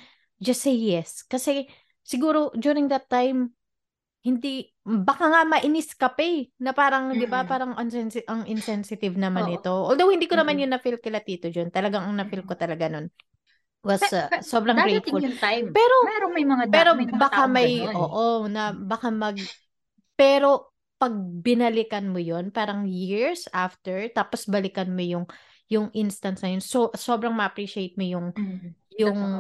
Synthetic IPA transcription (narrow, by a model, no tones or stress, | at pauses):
d͡ʒɐstːejːɛskɐsɛ | sɪɡuːɾo̞d͡ʒjuːɾɪŋd̪ɐt̪ːajm | hɪnd̪i | bɐkaŋamɐʔɪnɪskɐpɛnɐpaːɾɐŋd̪ɪbapaːɾɐŋɐnsɛnsɪʔɐŋʔɪnsɛnsɪt̪ɪvnɐmannɪt̪o̞ʔoːld̪owhɪnd̪iːkonɐmanjʊŋnɐfilkɪlɐt̪iːt̪od͡ʒont̪ɐlɐɡaŋɐŋnɐfɪlkot̪ɐlɐɡanon | wɐsso̞bɾɐŋɡɾet̪̚uljpɛːɾo̞mɛɾomɐjmɐŋapɛːɾo̞bɐkamɐjʔoːʔonɐbɐkamɐɡ̚ | pɛːɾo̞ | pɐɡ̚bɪnɐlɪkɐnmojonpaːɾɐŋjiɹsʔaft̪ɛɹt̪aːposbɐlɪkɐnmojʊŋ | jʊŋʔɪnst̪ɐnsnɐjonsoʔsoːbɾɐŋmɐʔɐpɹiːʃɪejt̪̚mojʊŋjʊŋ